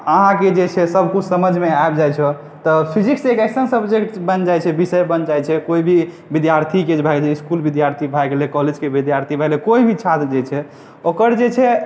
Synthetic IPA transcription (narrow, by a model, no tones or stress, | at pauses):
əɦãked͡ʒet͡ʃʰɛsəbʱkut͡ʃʰsəməd͡ʒʱmeaebd͡ʒajt͡ʃʰɛ | t̪əpʰiziksekɛsənsəbd͡ʒebənd͡ʒajt͡ʃʰɛbisəjbənd͡ʒajt͡ʃʰɛkoibʱi | bid̪jaɾt̪ʰiked͡ʒbʱaɡeleiskulbid̪jaɾt̪ʰibʱajɡelekɔɦled͡ʒkebid̪jaɾt̪ʰibʱalekoibʱit͡ʃʰat̪d͡ʒet͡ʃʰɛ | okəɾd͡ʒet͡ʃʰɛ